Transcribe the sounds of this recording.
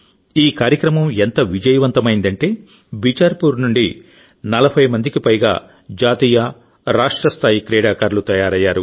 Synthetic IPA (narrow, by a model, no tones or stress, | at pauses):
iːkaːɾjɐkɾɐmɐment̪ɐʋid͡ʒɐjɐʋɐnt̪ɐmɐjind̪ɐɳʈe̞ː | bit͡ʃɐɾpuɾnuɳɖi | nɐlɐbʱɐjmɐnd̪ikipɐjɡa̰ː | d͡ʒaːt̪iːjɐ | ɾaːʂʈɾɐst̪ʰaːjikɾɛːɽaːkaːɾlut̪ɐjaːɾɐjːaːɾu